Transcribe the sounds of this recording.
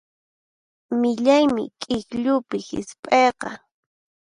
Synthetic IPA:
mɪʎajmɪ̰kʼɪkʎʊpɪhɪ̰spʼejqɑ

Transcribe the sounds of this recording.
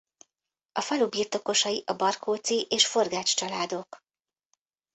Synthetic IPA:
ɒfɒlubiːrt̪o̞ko̞ʃɒjiʔɒbɒrkʰoːt̪siʔeːʃfo̞rɡaːt͡ʃt͡ʃɒlaːd̪o̞k

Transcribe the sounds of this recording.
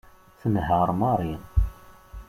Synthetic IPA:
θənhəɾˤmɑɾˤin

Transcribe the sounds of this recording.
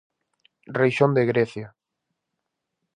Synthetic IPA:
rejʃõnd̪eɣɾeθja

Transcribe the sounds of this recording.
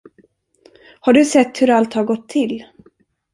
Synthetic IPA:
haɖɵsɛt̪ːhɵɾalt̪haɾɡɔt̪ʰːɪlː

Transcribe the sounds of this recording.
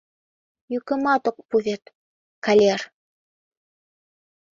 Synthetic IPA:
jɵ̆kɘ̆mɑt̪ŏq̚puðet̪ | kalʲer

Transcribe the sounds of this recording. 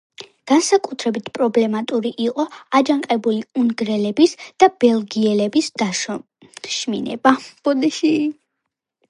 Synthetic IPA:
ɡ̥ansakʼut̪ʰɾɛbit̪ʰpʼɾɔblɛmat̪ʼuɾiʔiqʼɔad͡ʒaŋqʼɛbuliunɡɾɛlɛbisd̪̥ab̥ɛlˠɡiɛlɛbisd̪̥aʃ | ʃmḭnɛ̰bab̥ɔd̪ɛʃi

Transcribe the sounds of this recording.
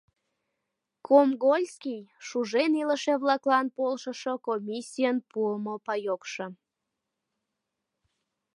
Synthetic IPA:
kʰomɡolʲskʲijʃuʒeniləʃeβlɑklɑnpolʃəʃokomʲisʲijənpuəmopɑjokʃə

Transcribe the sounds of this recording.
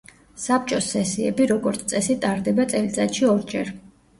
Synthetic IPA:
sap̚t͡ʃʼɔsːɛsiɛbiɾɔɡɔɾt̪sʰt̪ʼɛsit̪ʼaɾd̪ɛbat̪sʼɛlit̪sʼat̪ʃiɔɾd͡ʒɛɾ

